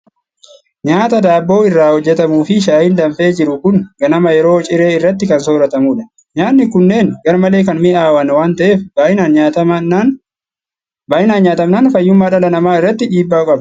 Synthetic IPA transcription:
ɲaːt̪ɐd̪aːbːo̞ːɪrːaːhɔd͡ʒːɛt̪ɐmuːfɪʃaːhɪnd̪ɐmfe̞ːd͡ʒɪɾʊkʊŋɡɐnɐmɐjɛɾo̞ːt͡ʃʼɪɾe̞ːɪrːɐt̪ːɪkɐnsoːɾɐt̪ɐmuːᶑɐ | ɲaːnːɪkʊnːe̞ːnɡɐɾmɐleːkɐnmɪʔaːwɐnwaːnt̪ɐʔe̞ːfbaːɪnaːnɲaːt̪ɐ | baːʔɪnaːnɲaːt̪ɐmnaːnfɐjːʊmːaːᶑɐlɐnɐmaːɪrːɐt̪ːɪᶑiːbːaːʊkʼɐb

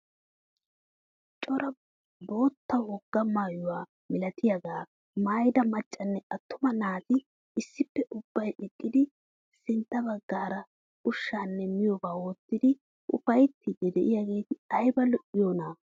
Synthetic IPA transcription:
t͡ʃʼɔɾɐ | bo̞ːt̪ːɐwɔɡːɐmaːjʊwaː | mɪlɐt̪ɪjɐɡaː | maːjd̪ɐmɐt͡ʃʼːɐnːɛʔɐt̪ːʊmɐnaːt̪ɪ | ɪsːɪpːɛʔʊbːɐjɗɛkʼːɪd̪ɪ | sɪnt̪ːɐbɐɡːaːɾɐ | ʊʃːaːnːɛmɪjɔbaːwoːt̪ːɪd̪ɪ | ʔʊ̰fɐjt̪ːɪd̪ɛd̪ɛʔɪjaːɡe̞ːt̪ɪɐjbɐlɔʔɪjoːnaː

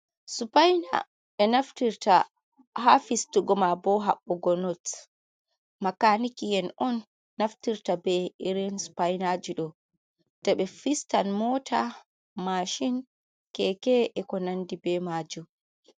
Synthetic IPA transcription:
supajna̰ | ɛnaftiɾta | hafistuɡɔmabɔɦa̰ɓːɔɡɔnɔt | makanikijɛnɔnː | aftiɾtabɛiɾɛnsu̥pajnad͡ʒiɗɔ | d̥ɛɓɛfistanmɔːtʰa | maʃin | kɛkɛʔɛkɔnandibɛmad͡ʒu

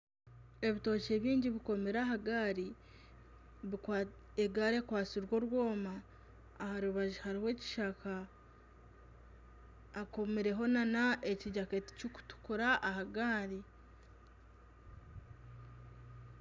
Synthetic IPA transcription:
e̞βito̞ːce̞βiːɲɟiβiko̞meɾaɦaɡaɾi | βi | eɡaɾekwaːt͡siɾwo̞ɾwo̞ːmaː | haɾuβaʒihaɾiwe̞ːci̥ʃaka | ko̞meɾe̞ɦo̞nanaʔeciɟaketi̥cuku̥tu̥kuɾaʔːhaɡaːɾi

